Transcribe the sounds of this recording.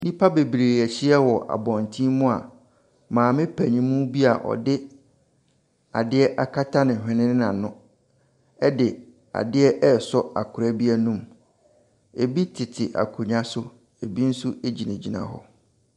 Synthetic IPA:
nĩ˦pʰa˦be˨bi˨ɾeː˨æ˨ɕi˦ɛ˦wɔ˨ʔa̰˨bɔ̃˨ntʰĩ˦mũ˦a˨ | mãː˨mɪ̃˦pʰæ˨ɲĩ˦mũ˦bi˦a˨ʔɔ̰˨dɪ˦ | a̰˨dɪ˦ɛ˦ʔa˦kʰa˦tʰa˦nɪ̃˨ɦᶣɪ̃˨nɪ̃˦nɪ̃˦nã˨nʊ̃˦ | ɛ˦dɪ˨ | a̰˨dɪ˦ɛ˦ʔɛ˦˨sɔ˦a̰˨kʰʊ˨ɾæ˦bi˦ɛ˦nũ˦m | e˨bi˦tʰɪ˨tʰɪ˨ʔa̰˨kʰʊ˨ɲã˦sʊ˦ | e˨bi˦n̩˦su˦ʔe˦d͡ʑi˨næ̃˨d͡ʑi˨nã̰˨ɦɔ̰˨

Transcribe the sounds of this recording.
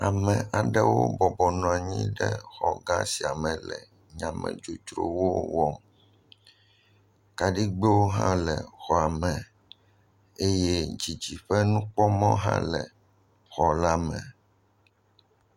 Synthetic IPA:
a˨mɛ̃˨ʔa˨ɖɛ˦wo˦bɔ˨bɔ˨nɔ̃˨a˨ɲĩ˦ɖɛ˦xɔ˨ɡã˦si˨a˨mɛ̃˨lɛ˨ | ɲã˨mɛ̰̃˨d͡ʒu˨t̪ɾo̰˨wo˦wɔ˦m | ka˨ɖi˦ɡ͡be˦wo˦ɦã˦lɛ˨xɔ˨a˨mɛ̃˨ | e˦je˦d͡ʑi˨d͡ʑi˨ɸɛ˦nũ˦k͡pɔ˦mɔ̃˦ɦã̰˦lɛ˨ | xɔ˨la˦mɛ̃˨

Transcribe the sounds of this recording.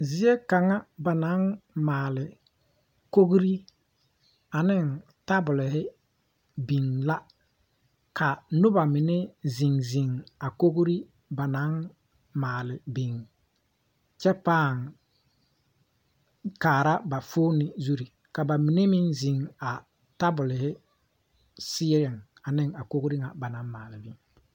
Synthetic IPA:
zɪ˨˦e˦ka˨ŋa˦ba˨na˨˦nmaː˨lɪ˨ | ko˦ɣɾi˦ | a˨nɪ˦˨n | ta˦bʊ˨lɪ˨hɪ˦ | bi˨ŋla˦ | ka˨nʊ˦ba˨mɪ˨ne˦zi˨ŋzi˨ŋa˨ko˦ɡɾi˦ | ba˨na˨˦ | maː˨lɪ˨bi˨ŋ | t͡ʃɛ˦paː˦˨ŋ | kaː˨ɾa˦ba˨foː˦nɪ˨zu˦ɾi˨ | ka˨ba˨mɪ˨ne˦mɪ˦nzi˨ŋa˨ | ta˦bʊ˨lɪ˨hɪ˦ | sɪː˦ɾɪ˨ŋ | a˨nɪ˦ŋa˨ko˦kɾi˦ŋa˨ba˨na˨˦ŋmaː˨lɪ˨bi˨ŋ

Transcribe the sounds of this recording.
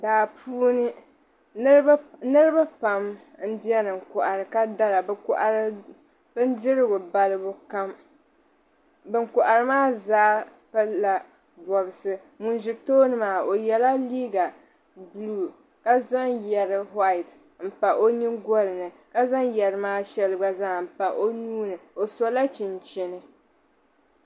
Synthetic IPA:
daː˨pʰuː˦nɨ˦ | nɨ˦ɾɨ˦ba˦pa˨m | m̩˦bjɛ˦nɨ˨ŋ˨kʊ˨ʔa˨ɾɨ˨ka˦da˦la˨bkʊ˦ʔa˨ɾ | bɨ˦n˦dɪ˦ɾɨ˦ɡʊ˨ba˨lɨ˦bʊ˦ka˦m | bɨ˨ŋkʊ˨ʔa˨ɾɨ˦maː˦zaː˨˦ | pa˦la˨ | bɔ˨bɨ˨sɨ˦ | mu˨nʒi˨toː˦nɨ˦maː˨o˨jɛ˨la˦liː˦ɡa˨ | bluː˦˨ | ka˦za˦ŋjɛ˨ɾɨ˨ɦa˦ɪ˨t | m̩˨pa˨ʔo˦ɲi˦ɡɔ˦lɨ˨nɨ˨ | ka˦za˦ŋjɛ˨ɾɨ˦maː˦ʃɛ˦lɨ˦ɡ͡ba˦zaː˦˨m̩˨pa˨ʔo˦nuː˦nɨ˨o˨sɔ˦la˦t͡ʃɪ˨nt͡ʃɪ˦nɨ˨

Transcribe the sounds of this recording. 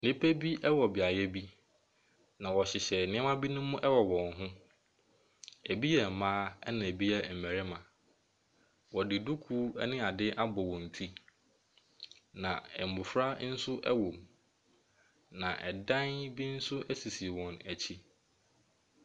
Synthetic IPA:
nɪ̃˦pʰe˦bi˦ʔɛ˦wɔ˨bɪ˨a˨jɛ˦bi˦ | nã˨wɔ˨ɕɪ˨ɕɛ˨nɪ̃˦ɛ˦mã˦bi˦nʊ̃˦mʊ̃˦ʔɛ˦wɔ˨wɔ̃˨nɦʊ̃˦ | æ˨bi˦jɛ˨mãː˦ɛ˦nã˨e˨bi˦jɛ˨m̩˨mæ˨ɾɪ˦mã˨ | wɔ˨dɪ˨du˦kʰu˦ɛ̰˦nɪ̃˦a˨dɪ˦ʔa˦bɔ˨wɔ̃˨n̩˨tʰi˦ | nã̰˨ɛ˨m˨bʊ˨fɾa˦n̩˦sʊ˦ʔɛ̰˦wɔ̃˨m | nã˨ʔɛ̰˨dã˦nbi˦n̩˦sʊ˦ʔæ˦si˨si˨wɔ̃˨næ˨t͡ɕʰi˦

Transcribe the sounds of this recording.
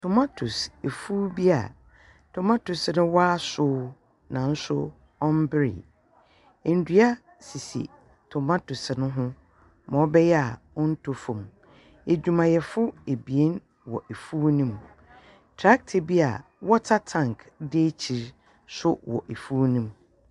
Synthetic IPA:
tʰʊ˨ma˦tʰʊ˨se˨fuː˦bi˦a̰˨ | tʰʊ˨mã˦tʊ˨snʊ̃˦wa˦sʊː˦ | nã˨n̩˦sʊ˦ | ɔ̃˦m˦bɪ˦ɾɪ̰˨ | e˨n̩˨du˨˦a˦ | si˨sḭ˨ | tʰɔ˨mã˦tʊ˨snʊ̃˦ɦʊ̃˦ | mã˨ɔ˦bɛ˦jɛ˦a˨ | ɔ̃˦n̩˦tʰo˨fũ˨m | e˨d͡ʑᶣu˨mã˨jɛ˨fʊ˦e˨bi˨e˦n | wɔ̰˨ʔe˨fuː˦nĩ˦m | tʰɾa˦k̚tʰɪ˨bi˦a̰˨ | wɔ˦tʰa˦tʰã˦˨ŋkʰde˦t͡ɕʰi˨ɾ | sʊ˦wɔ̰˨ʔe˨fuː˦nĩ˦m

